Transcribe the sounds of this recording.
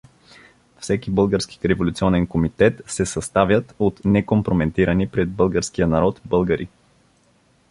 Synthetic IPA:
fsɛkibɤlˠɡəɾski̥ɾɛvolʲut̪siɔnɛnkomit̪ɛt̪sɛsɐst̪avʲjət̪ot̪nɛkompɾomɛnt̪iɾənipɾɛd̪̚bɤlˠɡəɾskijənɐɾɔt̪bɤlˠɡəɾʔḭ

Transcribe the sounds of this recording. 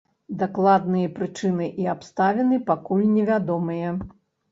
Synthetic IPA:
d̪aklˠad̪nɨjɐpɾɨt͡ʂɨnɨʔiapst̪avʲɛnɨpakulʲnʲɛvʲad̪ɔmɨjɐ

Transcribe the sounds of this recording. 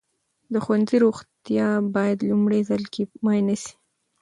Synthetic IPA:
d̪əxwanziɾoɣt̪jɑbɑjad̪lumɽezalkʰemɑjnəsi̥

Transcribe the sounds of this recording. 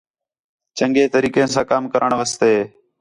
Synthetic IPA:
t͡ʃəŋɡeːt̪əɾiːkẽːsãːkaːmkəɾʔəɳʋəst̪eː

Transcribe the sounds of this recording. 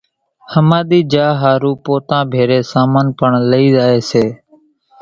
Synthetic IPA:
həmaːɗ̪iːd͡ʒaːɦaːɾuːpoːt̪ãːbʱeːɾeːsaːmənpəɳləiːzaːeːseː

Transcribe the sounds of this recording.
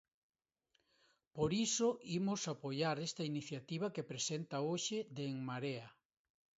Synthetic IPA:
poɾisoʔimʊsapojaɾest̪ɐiniθjat̪iβ̞ɐkepɾesent̪ɐoʃed̪eŋmaɾea

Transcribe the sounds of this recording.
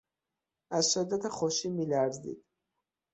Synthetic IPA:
azʃɛd̪at̪ʰaχɔʃimilaɾzḭd̪̥

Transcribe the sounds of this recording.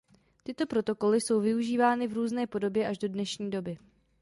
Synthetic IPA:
t̪ɪt̪o̞pɾo̞t̪o̞ko̞lɪso̞wvɪuʒiːvaːnɪvɾuːznɛːpo̞do̞bjɛʔaʒdo̞dnɛʃɲiːdo̞bɪ

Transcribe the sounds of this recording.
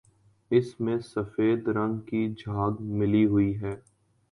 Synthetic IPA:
ɪsmẽsɐfeːd̪ɾɐ̃ŋɡkid͡ʒʱaːɡmɪliɦʊiɦɛː

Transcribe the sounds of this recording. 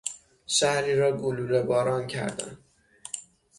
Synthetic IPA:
ʃæhɾiːɾɒːɡoluːɾebɒːɾɒːncʰæ̰ɾd̪æ̰n

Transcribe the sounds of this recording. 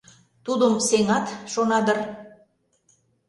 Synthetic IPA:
t̪ud̪əmseŋɑt̪ʃonɑd̪ər

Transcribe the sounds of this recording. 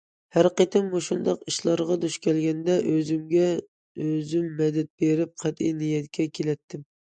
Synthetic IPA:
hæɾqet̪ʰɪmːuʃund̪ɑqiʃlˠɑɾʁɑd̪uʃkʲʰɛlɡʲɛnd̪ɛʔøzymɡʲɛ | øzymːɛd̪ɛt̪̚beɾɪp̚qʰæt̪ḭjnijɛt̪kʲʰɛkʲʰelɛt̪ʰːɪm

